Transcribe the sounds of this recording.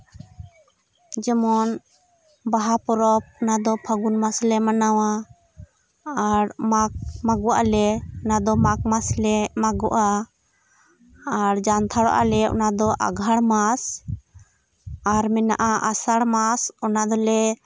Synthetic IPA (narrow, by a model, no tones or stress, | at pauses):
d͡ʒɛmɔn | baɦapɔɾɔp̚ɔnad̪ɔpʰaɡunmaslɛmanawa | ɾmak̚maɡɔwaʔalɛɔnad̪ɔmak̚maslɛmaɡɔʔa | ɾd͡ʒant̪ʰaɽɔ̰ʔa̰lɛɔ̰nad̪ɔʔa̰ɡʱaɽmas | aɾmɛna̰ʔaʔasaɽmasɔnad̪ɔlɛ